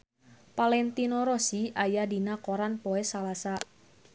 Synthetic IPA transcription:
palɛnt̪inoɾɔsiajadinakoɾanpoɛsalasa

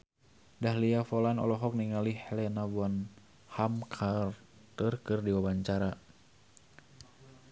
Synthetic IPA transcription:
daɦliafɔlanɔ̰lɔɦɔk̚niŋalihlɛnavwan | hamkʰar | t̪ɨrkɨrdiwawaɲt͡ʃaɾa

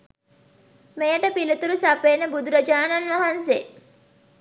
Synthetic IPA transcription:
mejɐʈəpilut̪uɾusɐpenəbud̪uɾɐd͡ʒaːnɐnʋɐɦɐnse

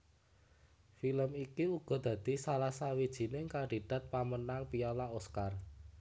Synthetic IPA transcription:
filəmikiuɡ̥ɔ̤d̪̥ä̤d̪̥i̤salasawid̥ʒ̥i̤nɪŋkandid̪̥a̤t̪̚pamənaŋpiɔlaoskar

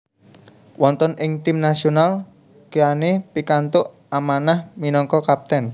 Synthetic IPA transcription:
wɔnt̪ɔnʔɪŋt̪imnasional | kijanepikant̪ʊʔ | amanahminɔŋkɔkap̚t̪ɛn

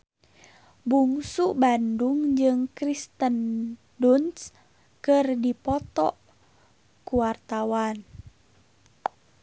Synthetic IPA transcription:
buŋsuʔbanduŋd͡ʒɨŋkɾist̪ən | duns | kɨrdipɔt̪ɔ̰ʔ | kuwart̪awan

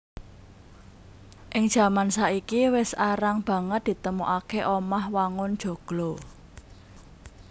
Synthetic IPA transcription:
ʔɪŋd̥ʒ̥ä̤mansaikiwɪsaɾaŋb̥ä̤ŋət̪̚d̪̥i̤t̪əmuʔakeʔomahwaŋʊnd̥ʒ̥o̤ɡ̥lɔ

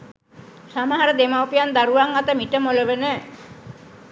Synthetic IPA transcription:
samaɦaɾəd̪emawpijand̪aɾuʋaŋat̪əmiʈəmoləʋənə

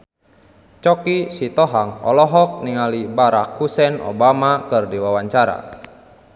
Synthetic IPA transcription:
t͡ʃɔkisit̪ɔɦaŋɔ̰lɔɦɔk̚niŋalibaɾakhusɛnɔ̰bamakɨrdiwawaɲt͡ʃaɾa̰

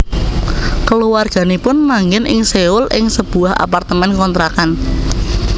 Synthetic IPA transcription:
kəluwarɡ̥a̤nipʊnmaŋɡɪnʔɪ̰ŋseʊlɪŋsəb̥ṳaɦa̰part̪əmɛnkɔnt̪ɾakan

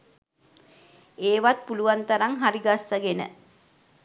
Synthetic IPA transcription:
eːʋat̪̚puluʋant̪aɾaŋɦaɾiɡasːaɡenə̰

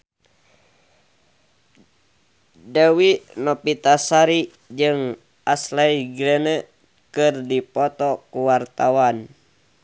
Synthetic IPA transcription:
dawinɔpit̪asaɾi | d͡ʒɨŋ | ʔaslaiɡɾɛnə | kɨrdipɔt̪ɔkuwart̪awan

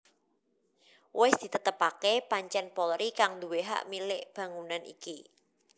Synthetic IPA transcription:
wɪsd̪̥i̤t̪ət̪əpakepaɲt͡ʃɛnpɔlɾikaŋd̪uweɦa̰ʔmilɪʔb̥ä̤ŋunanʔḭki

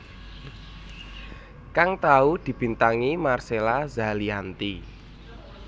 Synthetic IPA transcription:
kaŋt̪aud̪̥i̤b̥i̤nt̪aŋimarselazaliant̪i

